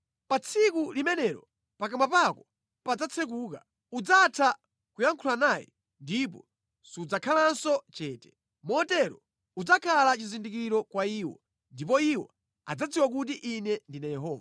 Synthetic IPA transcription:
pat͡sʰikulimɛnɛɾɔ | pakamapakɔ | pad͡zat͡sʰɛk̬uːka | ud͡zatʰa | kujaŋkʰulanaːjɛ̰ | ndip̬ɔ̰ | siud͡zakʰalansɔt͡ʃɛːtɛ̥ | mɔtɛɾɔ | ud͡zakʰalat͡ʃizindik̬iɾɔkwaiːwɔ̰ | ndip̬ɔiwɔ̰ | ad͡zad͡ziwak̬ut̬iʔinɛndinajɛɦɔːva

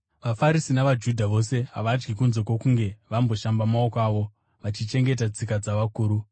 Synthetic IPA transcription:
ʋafaɾisinaʋad͡ʒudʱaʋo̞se̞ɦaʋad͡ʒɡikunzo̞kwokuŋɡe̞ʋambo̞ʃambamaokaːʋo̞ | ʋat͡ʃit͡ʃe̞ŋɡe̞t̬at͡sikad͡zaʋakuːɾu

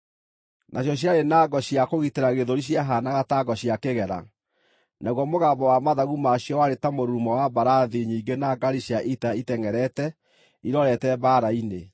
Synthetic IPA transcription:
nʔaɕjɔɕ̬iaɾenaɡɔɕiakoɣiteɾaɣeðoɾiɕ̬jaɦanaɣataɡɔɕiakeɣɛɾa̰ | naɣwɔmoɣabɔwamaðaɣumaɕjɔwaɾetamoɾuːmɔwabaɾaðiɲiːɡenaɡaɾiɕiaʔitaitɛŋɛɾɛtɛ | iɾɔɾɛtɛbaɾaine

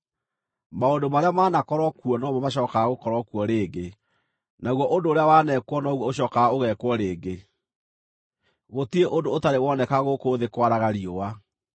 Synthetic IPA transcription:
maondomaɾeamaːnakɔɾɔkuɔnɔmɔmaɕɔːkaːɣokɔɾɔkuɔɾeːɡe | naɣwɔʔondoːɾeawaːnɛkwɔnɔɣwɔoɕ̬ɔːkaoɣɛkwɔɾeːɡe | ɣotieʔondootaɾewɔnɛkaɣokoːðekwaɾaɣaɾiowa

